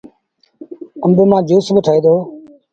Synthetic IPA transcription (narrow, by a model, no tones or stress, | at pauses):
əmbeːmãːd͡ʒuːsbəʈʰaːeːd̪oː